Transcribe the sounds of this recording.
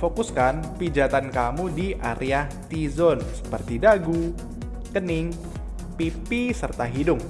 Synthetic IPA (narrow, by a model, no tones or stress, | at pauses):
fokuskanpid͡ʒat̪ankamudiʔa̰ɾʔeaht̪izɔnsə̥pərt̪idaɡu | kənɪŋ | pipisərt̪aɦidʊŋ